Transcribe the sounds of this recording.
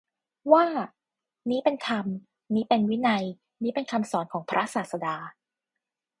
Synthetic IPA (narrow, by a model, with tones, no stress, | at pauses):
waː˥˩ | niː˦˥pe˧nk̪ʰa˧m | niː˦˥pe˧nwi˦˥na˧j | niː˦˥pe˧nkʰa˧msɔː˩˦nkʰɔː˩˦ŋpʰɾʔa˦˥saː˨˩t̪̚sa˧daː˧